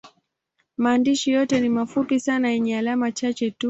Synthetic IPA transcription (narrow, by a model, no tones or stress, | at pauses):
maːndiʃijɔtɛnimafupisanajɛɲɛalamat͡ʃat͡ʃɛtu